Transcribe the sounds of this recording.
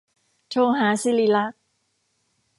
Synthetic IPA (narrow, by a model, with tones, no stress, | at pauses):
t͡ɕʰoː˧ɦaː˩˦si˧li˧la˦˥k̚